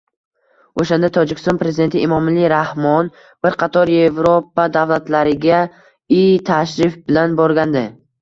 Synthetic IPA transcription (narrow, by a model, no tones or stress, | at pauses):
oʃand̪at̪ʰɒd͡ʒɪkʲɪ̥sɔnpɾe̞zɪd̪e̞nt̪ʰɪimɒmaliɾahmɒn | b̥ɪɾqʰɑt̪ʰɒɾje̞vɾopad̪avlat̪laɾɪɡʲa | it̪ʰaʃɾɪfbɪlanbɒɾɡʲand̪ɪ